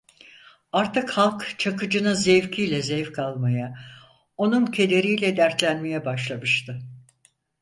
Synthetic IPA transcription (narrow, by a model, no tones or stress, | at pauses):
aɾt̪ɯkhalˠkt͡ʃʰakɯd͡ʒɯnɯzevcʰijlʲɛzejfkʰalˠmaja | o̞nuncʰe̞d̪e̞ɾijlʲɛd̪æɾt̪lʲænme̞jɛbaʃlˠamɯʃt̪ʰɯ